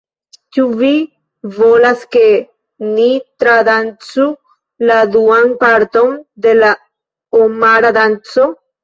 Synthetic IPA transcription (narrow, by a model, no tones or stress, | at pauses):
t͡ʃuvi | volaske | nit̪ɾad̪ant͡su | lad̪uanpaɾt̪o̞nd̪ela | omaɾad̪ant͡so